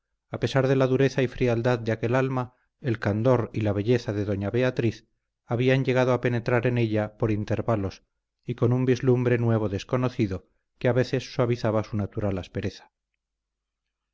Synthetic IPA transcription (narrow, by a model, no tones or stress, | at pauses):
ape̞saɾðe̞laðuɾe̞θaifɾiald̪aðd̪eake̞lalma | e̞lkand̪o̞ɾilaβ̞e̞ʎe̞θaðe̞ðo̞ɲaβe̞at̪ɾiθ | aβiaɲʝe̞ɣ̞að̞oape̞ne̞t̪ɾaɾe̞ne̞ʎapo̞ɾint̪e̞ɾβalo̞s | iko̞numbizlumbɾe̞nwe̞β̞o̞ðe̞sko̞no̞θiðo̞ | keaβe̞θe̞sːwaβiθaβasunat̪uɾalaspe̞ɾe̞θḁ